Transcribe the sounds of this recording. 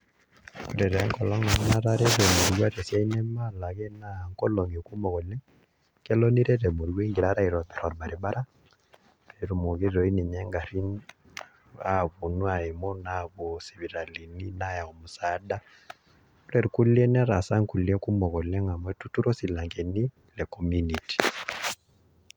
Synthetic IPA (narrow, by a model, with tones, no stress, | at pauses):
ku˨ɾɛ˨ɾɛ˨˦ŋkɔ˨lɔ˦ŋna˨m˦na˦ɾa˦ɾɛ˦ɾɛ˨mo˨ɾwa˦ɾɛ˨sja˦i˦nɛ˦ma˦la˨ɣɛ˦na˦˨ŋkɔ˦lɔ˨ŋɡe˨ku˦mɔ˨ɣɔ˨lɛ˦ŋ | kɛ˦lɔ˦ni˦ɾɛ˦ɾɛ˨mo˨ɾwe˦ŋɡe˨ɾa˦ɾa˦i˨ɾɔ˨tɛ˨ɾɔ˨ɾba˨ɾe˨ba˦ɾa˦ | e˨ɾu˨mo˨ɣe˦ɾɔ˨i˦ni˨ɲɛ˦ŋɡa˨ɾi˦n | a˦βo˨nwa˨e˨mɔ˦na˨βɔ˨se˨βi˨ɾa˨li˨ni˦na˦ja˨ɔ˨mo˨sa˨˦da˦ | u˦ɾɛ˨ɾku˦lɛ˦nɛ˦ɾa˨sa˦ŋku˨lɛ˦ku˦mɔ˨ɣɔ˨lɛ˦ŋa˨mwɛ˦tu˦tu˦ɾɔ˦si˨la˨ŋkɛ˨ni˦ | lɛ˨kɔ˦mu˦ni˨ti̥˨